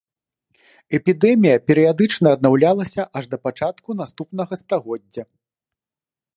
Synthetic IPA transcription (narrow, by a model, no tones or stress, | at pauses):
ɛpʲid̪ɛmʲijɐpʲɛɾɨjad̪ɨt͡ʂnɐːd̪nawlʲalˠɐsʲɐʔɐʐd̪ɐpat͡ʂat̪kunast̪upnɐɣɐst̪aɣɔdʲːɐ